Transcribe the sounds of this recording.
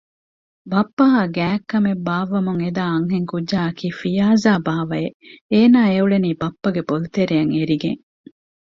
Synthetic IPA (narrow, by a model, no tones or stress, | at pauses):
bɐpːɐɦaɡæːkːɐmebaːʋɐmuŋed̪aːɐŋɦeŋkudʒaːɐkiːfijaːzaːbaːʋɐeeːnaːeuɭeniːbɐpːɐɡebolut̪eɾejɐŋeɾiɡḛŋ